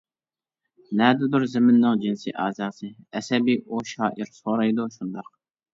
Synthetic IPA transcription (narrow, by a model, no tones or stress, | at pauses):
nɛːd̪ɪd̪ʊɾzɪmɪnːɨŋd͡ʒinsḭʔɑːzɑːsɨɛsɛbiʔoʃɑːʔiɾsoːɾɑjd̪uʃund̪ɑq̚